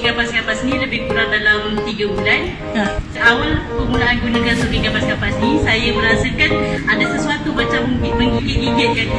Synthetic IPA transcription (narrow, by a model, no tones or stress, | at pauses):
ɡabaskapasniləbɪhkuɾaŋ̚dalamt̪iɡabulan | səʔawalpəɡunaʔanɡunakansukikabaskapasnisajaməɾasakanadasəsuat̪umat͡ʃamməŋɡiɡit̪̚ɡiɡɪt̪̚ka